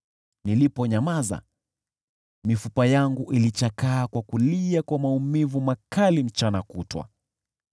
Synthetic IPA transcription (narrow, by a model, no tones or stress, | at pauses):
nilipɔɲamaza̰ | mifupajaŋɡuʔilit͡ʃakaːkwakuliakwamaumivumakalim̩t͡ʃanakutwa̰